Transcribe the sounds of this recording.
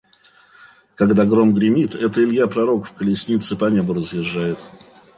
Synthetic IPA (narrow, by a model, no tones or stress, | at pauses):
kɐɡd̪aɡɾomɡɾʲɪmʲit̪ɛt̪əɪlʲjapɾɐɾo̞kfkəlʲɪsʲnʲit̪sɨpɐnʲebʊɾəzjɪʐːajɪt̪